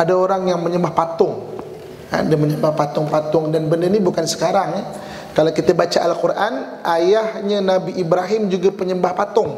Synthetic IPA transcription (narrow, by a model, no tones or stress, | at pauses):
adaoɾaŋjaŋməɲəmbahpat̪ʊŋ | a̰daməɲəmbahpat̪ʊŋpat̪ʊŋdanbənərnibukansə̥kaɾaŋ | kalawkit̪abat͡ʃaʔalkurʔan | ʔajahɲanabiʔibɾaɦɪmd͡ʒuɡapəɲəmbahpat̪ʊŋ